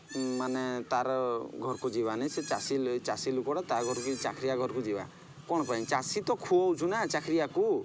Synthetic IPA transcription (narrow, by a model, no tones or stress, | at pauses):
manet̪aɾɔɡʱɔɾkud͡ʒiβaneset͡ʃasilt͡ʃasilukɔɾɔt̪aɾɡʱɔɾkkit͡ʃakʰɾiaɡʱɔɾɔkud͡ʒiba̰ | kɔɽ̃ɔpɔĩt͡ʃasit̪ɔkʰuɔwt͡ʃʰunat͡ʃakʰɾijaku